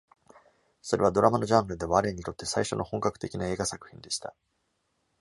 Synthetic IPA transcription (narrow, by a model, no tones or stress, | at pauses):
so̞ɾe̞β̞ad̪o̞ɾamano̞ʑãŋɡɯɾɯ̟d̪e̞βaɾe̞ːɲ̟it̪o̞t̪ːe̞saiɕo̞no̞hõ̞ŋkakɯ̟̥t̪e̞kʲinae̞ːɡasakɯ̟̥çʲĩnd̪e̞ɕi̥t̪a